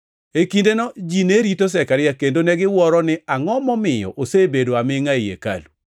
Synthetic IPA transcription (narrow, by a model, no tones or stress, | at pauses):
ekindenɔd͡ʒineɾitos̬ɛkaɾɪjakendonɛɡɪwɔɾɔnɪaŋɔmɔmɪjɔ̰ʔosebedoamɪŋaijḛka̰lu